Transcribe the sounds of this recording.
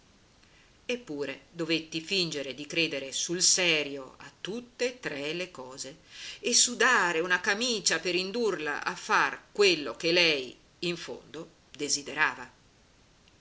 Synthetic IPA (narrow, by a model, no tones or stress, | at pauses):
epːuːɾed̪ovet̪ːifind͡ʒeɾed̪ikɾeːd̪eɾesulsɛːɾjoa̰t̪ːut̪ːet̪ɾɛlekɔːzeesːud̪aːɾeunakamiːt͡ʃapeɾind̪urla̰ʔafːarkwelːok̟elɛj | iɱfo̰nd̪o | d̪ezid̪eɾaːva